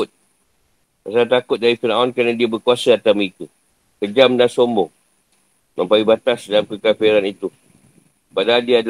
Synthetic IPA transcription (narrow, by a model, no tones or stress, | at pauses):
t̪̚ | pasaɾat̪akʊt̪̚daɾifinaɔnkɾanãdiabəkuasaat̪amit̪u | kəd͡ʒamdansombɔŋ | mə̃mpajubat̪asdalamkəkafiɾanit̪u | padaadiada